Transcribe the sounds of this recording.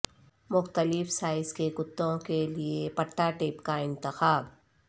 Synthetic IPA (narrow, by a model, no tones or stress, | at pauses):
mʊxt̪əlɪfsaːɪskekʊt̪ːõkeliepɐʈːaʈeːpkaɪ̃nt̪ɪxaːb